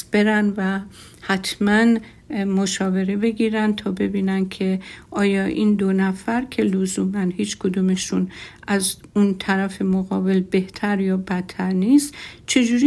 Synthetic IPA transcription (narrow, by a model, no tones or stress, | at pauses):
b̥e̞ɾænvæ | hæt̪ʰmæn | mo̞ʃɒːve̞ɾe̞be̞ɡiːɾænd̪̚t̪ʰɒːbe̞biːnæn̚kʰe̞ʔɒːjɒːʔind̪onæfæɾkʲʰe̞lozuːmænhiːt͡ʃkʰod̪ume̞ʃunʔæz | unt̪ʰæɾæfe̞moɣɒːbe̞lbe̞ht̪ʰæɾjɒːbæt̪ʰːæɾniːst̪t͡ʃʰe̞d͡ʒuːɾi